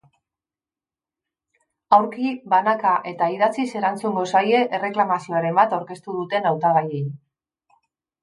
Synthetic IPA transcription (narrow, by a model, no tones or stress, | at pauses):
awɾkibanakaʔe̞t̪aiðat͡sise̞ɾant͡suŋɡo̞saje̞ʔere̞klamasio̞aɾe̞mbat̪awɾke̞st̪uð̞ut̪e̞nawt̪aɣajejn